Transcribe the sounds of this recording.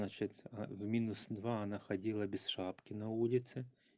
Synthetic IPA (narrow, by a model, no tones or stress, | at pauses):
at͡ʃɪt̪ʲvmʲinʊsd̪ʋɑɐnaxɐdʲilˠɐbʲɪsʃɑpkʲɪnɐulʲɪt̪sɪ